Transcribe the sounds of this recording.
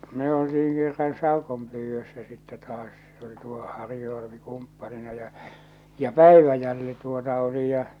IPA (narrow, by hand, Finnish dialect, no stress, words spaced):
me oltiiŋ kerːɑn sɑˑokompyːʋːøsːæ sitːɛ tɑːs se oli tuo hɑrju ɑlɑ̆pi kumpːɑlinɑ jɑ jɑ pæˑiʋæjælːi tuotɑ oli jɑ